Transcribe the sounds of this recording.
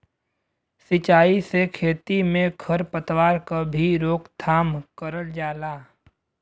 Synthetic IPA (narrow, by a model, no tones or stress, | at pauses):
sɪt͡ʃaːisekʰeːt̪imẽɡʰɐɾpət̪waːɾkabʱiɾoːkt̪ʰaːmkəɾəld͡ʒaːlaː